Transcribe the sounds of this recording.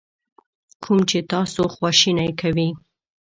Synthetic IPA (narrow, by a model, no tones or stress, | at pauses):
kʰumt͡ʃet̪ɑsoxwɑʃinajkʰawi